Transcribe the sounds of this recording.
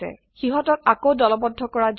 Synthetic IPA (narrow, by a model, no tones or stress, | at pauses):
ɛ̰ | xiɦɔtɔk̚akowdɔlɔbɔdʱːɔkɔɹad͡ʒ